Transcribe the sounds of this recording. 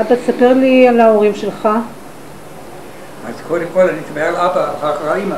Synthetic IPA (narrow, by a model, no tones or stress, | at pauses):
abasape̞ʁlialaoʁimʃe̞lχa | azkʰodemkolanitabealabaaχaʁaima